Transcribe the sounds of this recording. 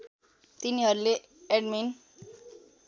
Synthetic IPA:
t̪iniɦʌɾle | eɖmin

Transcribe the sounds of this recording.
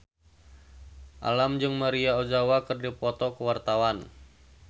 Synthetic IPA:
ʔa̰lamd͡ʒɨŋmaɾiaod͡ʒawakɨrdipɔt̪ɔkəwart̪awan

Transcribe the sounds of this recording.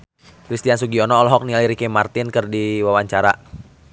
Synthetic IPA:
kɾist̪iansuɡiɔnɔːlɔɦɔk̚nialiɾikɛmart̪ɪnkərdiwawaɲt͡ʃaɾa

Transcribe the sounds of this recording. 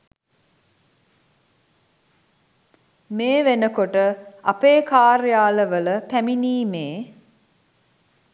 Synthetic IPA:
meːʋenəkoʈəapeːkaːɾjaːləʋələpæminiːmeː

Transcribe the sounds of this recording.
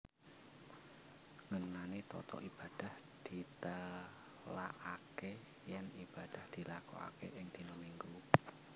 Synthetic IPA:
ŋənanet̪ɔ̰t̪ɔ̰ʔib̥a̤d̥a̤hd̪̥i̤t̪ə | laʔake | janib̥a̤d̪̥ahd̪̥i̤lakɔ̰a̰kḛʔɪŋt̪inəmiŋɡu

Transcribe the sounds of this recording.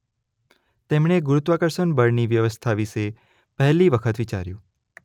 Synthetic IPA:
t̪emɳeɡuɾut̪ʋakəɾʃənbəɾniʋjəʋəst̪ʰaʋiʃe | pəɦliʋəkʰət̪ʋit͡ʃa̰ɾjũ

